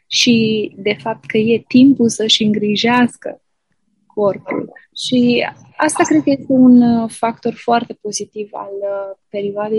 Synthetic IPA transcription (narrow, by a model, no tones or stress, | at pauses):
ʃid̪e̞fap̚t̪kʰəje̞t̪impulsəʃɨŋɡɾiʒeaskə̰ | kʰo̞rpṵlʃi | ast̪akɾed̪̚kəje̞st̪e̞unfak̚t̪o̞rfoart̪e̞po̞zit̪iva̰lpe̞ɾioad̪e